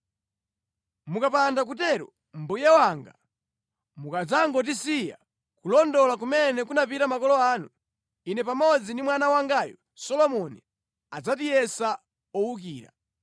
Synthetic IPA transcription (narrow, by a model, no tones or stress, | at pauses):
mukapandakutɛɾɔ̰ | m̩bujɛwaŋɡa | mukad͡zaŋɡɔt̬isija̰ | kulɔndɔlak̬umɛnɛkunapitamakɔlɔaːnu | inɛpamɔd͡zindimwanawaŋɡajɔ̰ | sɔlɔmɔnḭ | ad͡zat̬ijɛsa | ɔwuk̬iːɾa̰